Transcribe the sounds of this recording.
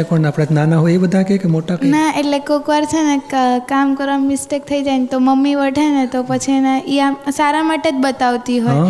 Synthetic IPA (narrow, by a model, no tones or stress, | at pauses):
epəɳapɽ̃ad͡ʒnanaɦoebəd̪ʱakekemoʈanaeʈlekokʋaɾt͡ʃʰenekamkəɾʋammisʈek̚t̪ʰəid͡ʒajnt̪oməmːiʋəʈʰanet̪opət͡ʃʰienaʔiasaɾamaʈed͡ʒ̪bət̪aʋt̪iɦoj